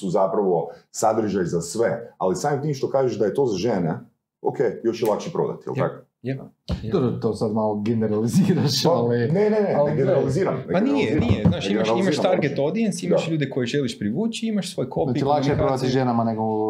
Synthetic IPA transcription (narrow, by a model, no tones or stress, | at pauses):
suzapɾaʋo̞sad̪ɾ̩ʒajzasʋealisaːmimt̪iːmʃt̪o̞kaːʒeʃd̪ajet̪o̞ːzaʒene | o̰kejjo̞ʃjelˠakʃepɾod̪a̰t̪i̥jḛlˠj̪a̰ko̥ | jd̪obɾot̪oːsad̪maːlˠoɡeneɾaliziːɾaʃalinenenealɡeneɾaliziːɾamnpanijenijeznaːʃimaʃalimaʃt̪aɾɡet̪od̪ijensiimd̪aʃʎuːd̪eko̞jeʒeliʃpɾiʋuːt͡ʃiimaʃsʋo̞ːjkʰopnat͡ʃilakʃejpɾod̪at̪iʒenamaneɡo